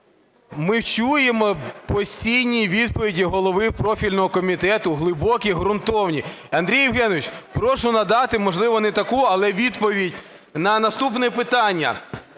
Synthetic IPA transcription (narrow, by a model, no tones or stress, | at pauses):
mɪwt͡ʃujemɔpɔsʲtʲijnʲiʋʲid̪pɔʋʲidʲiɦɔlˠɔʋɪpɾɔfʲilʲnɔɦɔkɔmʲit̪ɛt̪ʊɦlˠɪbɔkʲiɦɾʊnt̪ɔwnʲiɐnd̪ɾʲijːɪwɦɛnɔʋɪt͡ʃpɾɔʃʊnɐd̪ɑt̪ɪmɔʒlˠɪʋɔnɛt̪ɐkuɐlˠɛʋʲid̪pɔʋʲidʲ | nɐnɐst̪upnɛpɪt̪ɑnʲːɐ̰